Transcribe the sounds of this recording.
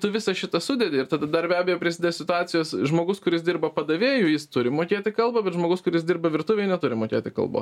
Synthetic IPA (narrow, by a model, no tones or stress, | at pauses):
t̪ʊʋʲɪsɐʃʲɪt̪ɐsʊd̪ʲɛd̪ʲɪɪɾt̪ɐd̪ɐd̪ɐrbʲæːbʲɛjoːpʲɾʲɪsʲɪd̪ʲesʲɪt̪ʊɑːt̪t͡s̪ʲɪjoːsʒmoːɡʊskʊɾʲɪsdʲɪrbɐpɐd̪ɐʋʲeːjuːjɪst̪ʊɾʲɪmoːkʲeːt̪ʲɪkɐlˠbɐbʲɛt̪ʒmoːɡʊskʊɾʲɪɪs̬d̪ʲɪrbɐʋʲɪrt̪ʊʋʲɛɪnʲɛt̪ʊɾʲɪmoːkʲḛːt̪ʲɪkɐ̰lˠbo̰s